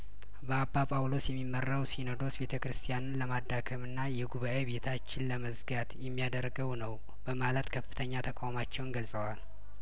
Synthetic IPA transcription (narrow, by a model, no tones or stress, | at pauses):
bəabːapʼawlo̞sjɛmːimːərːawsinod̪o̞sbe̞t̪ʰəkɨɾɨst̪ʰijanɨnləmad̪ːakʰəmɨnːajɛɡuβaʔebe̞t̪ʰat͡ʃːɪnləməzɡat̪jɛmːijad̪əɾɡəwnəw | b̥əmalət̪kʰəfːɨt̪ʰəɲːat̪ʰəkʼawmat͡ʃːɛwnɡəlsʼəwal